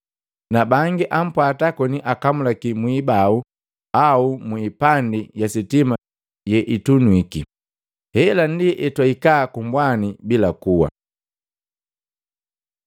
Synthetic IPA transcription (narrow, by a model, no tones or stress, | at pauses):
nabaŋɡiʔam̩pwatakɔniʔakamulakimwibau | aumwipandijasitima | jɛʔitunwiki | hɛlandiʔɛtwaikaːkumbwanibilakuwa̰